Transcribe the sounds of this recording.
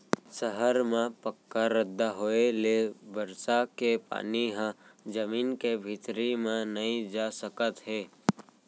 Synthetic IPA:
səɦəɾmẽpəkːaɾəd̪ʱːaɦoːelebəɾsakepa̰ːniɦə̃d͡ʒəmiːnkebʱɪt̪ɾimẽnəĩd͡ʒaːsəkət̪ɦeː

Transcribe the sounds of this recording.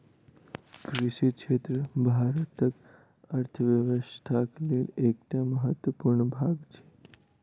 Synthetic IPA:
kɾiʃikʂet̪ɾəbʱaɾət̪ək | əɾt̪ʰəʋjəʋəst̪ʰaklelek̚ʈ̪jaməɦət̪ʋəpuɾɳbʱaɡt͡ɕʰe

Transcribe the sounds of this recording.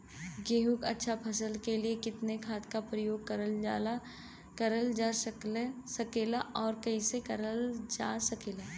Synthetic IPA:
ɡeːɦukɐ̰tːʃʰapʰɐsəlkeliekɪt̪nekʰaːt̪kapɾəjoːɡ̚kɐɾəld͡ʒala | kɐɾəld͡ʒassɐkeːlaʔɔːɾkɐisekɐɾəld͡ʒaːsɐkeːlaː

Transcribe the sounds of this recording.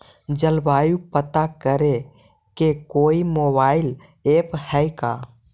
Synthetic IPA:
d͡ʒəlbajupət̪akəɾe | kekoimobail | ephəjka

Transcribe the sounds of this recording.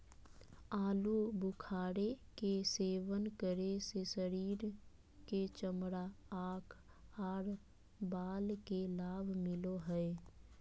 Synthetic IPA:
aːlubʊkʰaːɾekeseːʋənkəɾesesəɾiːɾ | ket͡ʃəmɽaaːkʰ | aːɾ | baːlkelaːbʱmɪloɦəe

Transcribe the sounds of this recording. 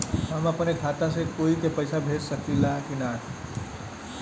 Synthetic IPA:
əmãpənekʰat̪asekoikepəjsabʱessəkilakinatʰ

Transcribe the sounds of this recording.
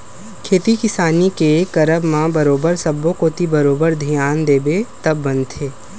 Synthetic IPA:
kʰeːt̪ikɪsaːnikekɐɾəbmãbɐɾoːbəɾsɐbːõkoːt̪ibɐɾoːbəɾd̪ʱijaːnd̪eːbet̪ɐbːɐ̃nd̪ʰeː

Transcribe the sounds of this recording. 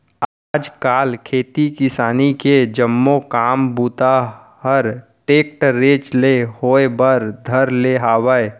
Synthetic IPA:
aːd͡ʒkaːlkʰeːt̪ikɪsaːniked͡ʒəmːokaːmbuːt̪a | ɦəɾʈeːk̚ʈɾeːt͡ʃlehoːebəɾd̪ʱəɾleɦaːwəe

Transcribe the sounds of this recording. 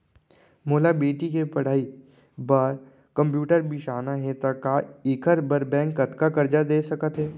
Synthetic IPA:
moːlabeːʈikepɐɽ̤aːi | bɐɾ | kɐ̃mpjuːʈəɾbiʃaːnaɦɛt̪ɐkaɪkəɾbəɾbɛ̃ːŋkːɐt̪kakɐɾd͡ʒad̪eːsɐkət̪ɦɛː

